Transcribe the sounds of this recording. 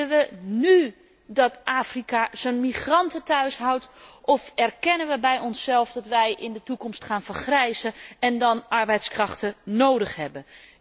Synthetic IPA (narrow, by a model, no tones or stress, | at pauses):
əʋəny | dɑtʔaːfrikaz̥onmiχrɑntətœɥsɦawtʔɔfɛrkɛnənʋəbɛjɔnsɛlˠfdɑtʋɛjʔɪndətukɔmstχaːnvəɹχrɛjzəɛndɑnɑɹbɛjtskrɑχtənowdəχɦɛbən